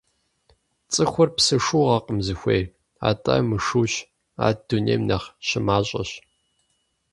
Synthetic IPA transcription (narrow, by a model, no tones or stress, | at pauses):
t͡sʼɨxʷʊrpsɨʂuːʁɐqʼəmzɨxʷḛjr | a̰ːtʼɐ̰ːmɨʂuːɕ | a̰ːd̥unḛːmnɐχɕɪmaːɕʼɐɕ